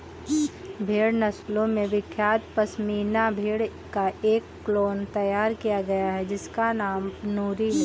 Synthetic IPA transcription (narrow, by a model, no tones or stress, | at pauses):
bʱeːɽnɐslõmẽʋɪkʰːjaːt̪pɐsmiːnabʱeːɽkaʔeːkːloːnt̪ɐjaːɾkijaɡɐjaɦɛd͡ʒɪskanaːmnuːɾiɦɛ